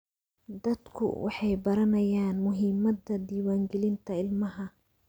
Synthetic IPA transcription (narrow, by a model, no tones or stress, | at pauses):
d̪ɐd̪kʰʊ̰wɑ̰ħɑjbɐɾɐnɐjaːnmʊɦɪmɐd̪ɐd̪iːwaːŋɡɛlɪnt̪ʰɐɪlmɐɦɐ